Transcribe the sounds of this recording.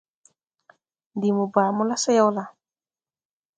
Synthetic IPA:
ndi˨mu˨baː˨mɔ˦la˦sɛ˦jɔ˦la˨

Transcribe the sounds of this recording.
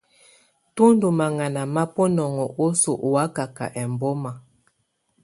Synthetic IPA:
tu˦n˦du˨ma˨ŋa˨na˨ma˦pɔ˦nɔ˨ŋɔ˨ʔo˦so˨ʔwa˦ka˨ka̰˨ʔɛ˨m˨bɔ˦ma˨

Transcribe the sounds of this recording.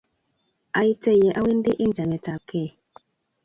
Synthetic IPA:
a˨˦i˦tɛ˦˨jɛ˨ʔa˦wi˦n˦de˦ʔi˦n˨d͡ʒa˨mɛ˨ta˨kʰɛ˦˨

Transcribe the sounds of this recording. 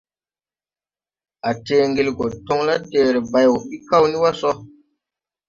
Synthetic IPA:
a˨teː˦ŋɡe˧˨lɡo˨to˦ŋla˦teː˨ɾe˨ba˨jwo˨ɓi˦ka˦˨wni˦wa˦sɔ˦

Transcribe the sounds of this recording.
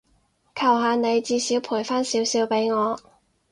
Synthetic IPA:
kʰɐ˨˩wɦaː˨˧ne˨˧jt͡siː˧siː˨˥wpʰuː˨˩jfaː˥nsiː˨˥wsiː˨˥wpe˨˥jŋɔː˨˧

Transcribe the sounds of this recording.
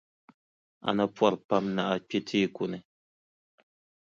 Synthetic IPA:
a̰˨na˦pwa˦˨ɾpa˦mna˦ʔa˦k͡pe˦tʰiː˦˨ku˨nɛ˨

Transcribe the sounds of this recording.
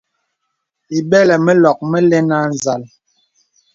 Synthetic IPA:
i˨ɓɛ˦lɛ˨mə˦lɔ˨k̚mə˦lɛ˦na˦n˨za˨l

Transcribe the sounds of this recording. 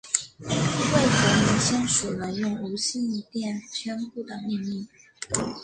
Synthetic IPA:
we˥˩ɪxə˧˥mi˧˥ŋɕjɑ˥ŋʂu˨˩lə˦jʊ˥˩ŋu˧˥ɕi˥˧ni˥˩t̪jɛ˥˩nt͡ɕʰɥɛ˥npu˥˩d̪ə˩mi˥˧nli˥˩

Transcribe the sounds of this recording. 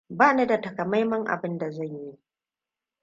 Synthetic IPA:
baː˦na˦da˨tɐ˨kɐ˨ma˦jmɐ˦ŋʔa̰˨bɪ˦nda˨za˦˨ɲji˦ʔ

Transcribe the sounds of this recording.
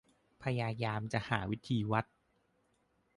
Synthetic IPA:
pʰa˧jaː˧jaː˧mt͡ɕa˨˩ʔhaː˩˦wi˦˥t̪ʰiː˧wa˦˥t̪̚

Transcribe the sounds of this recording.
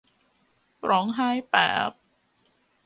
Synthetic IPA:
pɾɔː˨˦˥ŋɦaː˥˩jpɛ̰ː˨˩p̚

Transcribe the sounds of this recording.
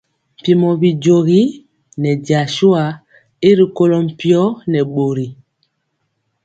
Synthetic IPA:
m̩˨pi˨mɔ˨bi˨d͡ʒo˨ɣi˦ | nɛ˨ɟa˨ʃu˦a˨ | i˦ɾi˨ko˦lɔ˦m̩˨pi˦ɔ˦nɛ˨ɓo˨ɾi˨

